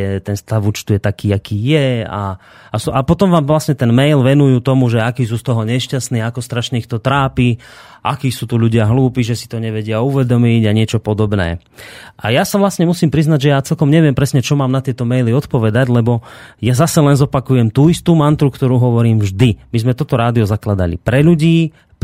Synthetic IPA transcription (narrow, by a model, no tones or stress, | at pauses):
ɛt̪ɛnst̪aʋuːt͡ʃt̪ujɛt̪akiːakiːjɛa̰ | asuʔapɔt̪ɔmʋaːmʋlasɲɛt̪ɛnmɛjlʋɛnujuːt̪ɔmuʒɛakiːs̬uːst̪ɔɦɔɲɛʃcast̪niːakɔst̪ɾaʃɲɛixt̪ɔt̪ɾaːpi | ʔa̰kiːsuːt̪uʎuɟɪaɦluːpiːʒɛsi̥t̪ɔɲɛʋɛɟɪauʋɛd̪ɔmiɟaɲɪɛt͡ʃɔpɔd̪ɔbnɛ̰ː | ʔa̰jasaʋlasɲɛmusiːmpɾiznaɟʒɛjaːt͡sɛlkɔmɲɛʋɪɛmpɾɛsɲɛt͡ʃɔmaːmnat̪ɪɛt̪ɔmɛjliɔt̪pɔʋɛd̪aɟlɛbɔjazasɛlɛnzɔpakujɛmt̪uːist̪uːmant̪ɾukt̪ɔɾuːɦɔʋɔɾiːmʒd̪imizmɛt̪ɔt̪ɔɾaːd̪iɔzaklad̪a̰lḭpɾɛʎuɟiː